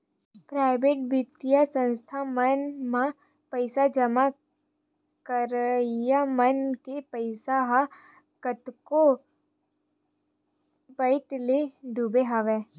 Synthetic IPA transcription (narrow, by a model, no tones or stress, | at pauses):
pɾaːɪbeːʈ̚bɪt̪ijasə̃nst̪ʰamənmã | pəɪsad͡ʒəma | kəɾjamənkepəɪsaɦa | kət̪ko | pəɪt̪leɖʱubeɦaʋɛː